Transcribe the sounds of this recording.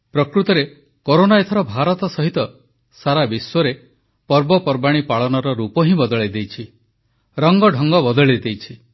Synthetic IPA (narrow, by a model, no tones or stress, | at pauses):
pɾɔkɾut̪ɔɾe | koɾonaet̪ʰɔɾɔbʱaɾɔt̪ɔsɔɦit̪ɔ | saɾabiswɔɾe | pɔɾbɔpɔɾbaɽ̃ipaɭɔnɔɾɔɾupɔɦĩbɔd̪ɔɭed̪ejt͡ʃʰi | ɾɔŋɡɔɖʱɔŋɡɔbɔd̪ɔɭed̪ejt͡ʃʰi